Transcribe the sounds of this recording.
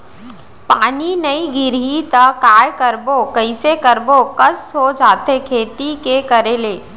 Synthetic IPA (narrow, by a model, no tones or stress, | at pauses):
paːninɐiɡɪɾit̪əkaːjkəɾbokəɪsekəɾbokɐsod͡ʒaːt̪ekʰeːt̪ikekəɾeleː